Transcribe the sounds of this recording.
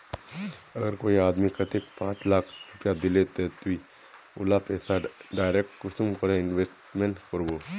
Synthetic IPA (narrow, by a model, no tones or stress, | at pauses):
ɐɡəɾkoːiaːd̪mikɐt̪ɪk̚pãːt͡ʃlaːkʰɾʊpjad̪ɪlet̪et̪ui | ʊ̰lapɛːsaɖaːɪɾeːk̚ʈkʊst̪umkɐɾẽɪnʋesʈmẽɳʈkəɾboː